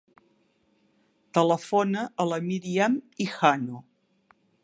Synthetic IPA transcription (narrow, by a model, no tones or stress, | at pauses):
t̪ələfonəʔələmiɾiamixano